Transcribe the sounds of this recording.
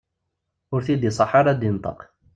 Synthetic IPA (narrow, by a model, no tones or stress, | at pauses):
ʊɾθid̪isˤɑħɑɾˤad̪int̪ˤɑ̰q